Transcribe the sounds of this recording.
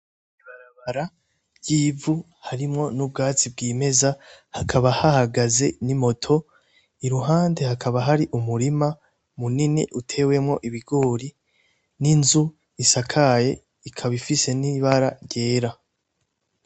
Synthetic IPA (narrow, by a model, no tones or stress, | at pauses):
iβaɾaβaɾa | ɟiːvu | haɾimŋo̞nub̚ɡaːt͡sib̚ɡiːme̞zahakʰaβahahaɡaze̞nimo̞tʰo̞ | iɾuɦaːnde̞hakʰaβaɦaɾiʔumuɾima | muniniʔutʰe̞ːwe̞mŋo̞ʔiβiɡo̞ːɾi | ninzu | isakʰaje̞̰ | ikʰaβifise̞niβaɾaɾɟe̞ːɾa